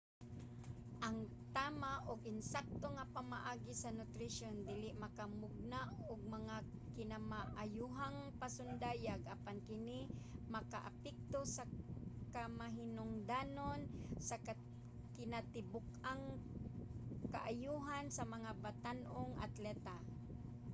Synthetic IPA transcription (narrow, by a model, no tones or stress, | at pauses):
ʔɐŋ | t̪amaʔoɡʔɪnsak̚t̪oŋapamaʔaːɡisanʊt̪ɾɪʃond̪ilɪʔmakamʊɡ̚naʔoɡ̚mɐŋa | kɪnamaʔjuɦaŋpasʊnd̪ajaɡʔapankɪnimɐka̰ʔapɛk̚t̪osakamaɦɪnʊŋd̪anonsaka | kɪnat̪ɪbʊkaŋ | ka̰ʔajuɦansɐmɐŋabat̪anʔoŋʔa̰t̪lɛt̪a